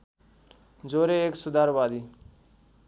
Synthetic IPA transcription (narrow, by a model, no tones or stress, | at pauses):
d͡zoːɾeeːksʊd̪aːɾʋaːd̪iː